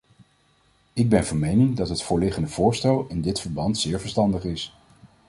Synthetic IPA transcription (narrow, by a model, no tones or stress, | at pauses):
ɪɡ̚bɛnvɑnmejnɪŋdɑtɦətfʊːɹlɪχəndəv̥ʊːɹstɛlˠɪndɪtfəɹbɑntsɪːɹvəɹstɑndəχɪs